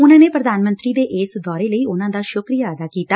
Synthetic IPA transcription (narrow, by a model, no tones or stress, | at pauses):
ʊnãːneːpɾəd̪aːnmənt̪ɾiːd̪eːʔeːsd̪ɔːɾeːləiːʊnãːd̪aːʃʊkɾijaːəd̪aːkiːt̪aː